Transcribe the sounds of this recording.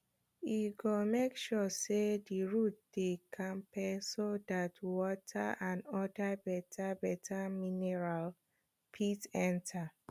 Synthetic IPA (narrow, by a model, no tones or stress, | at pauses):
iɡomekʃɔsediɹut̚dekʰãmpɛsodatwɔtʰa̰ʔãnɔdabɛtʰabɛtʰaminɛɹal | pʰitɛ̃ntʰa